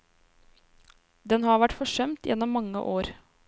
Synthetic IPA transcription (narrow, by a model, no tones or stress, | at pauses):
d̪ɛnhɑɾʋæʈfɔʂœmt̪jʔɛ̰nːɔmːɑŋːə̰ʔoːɾ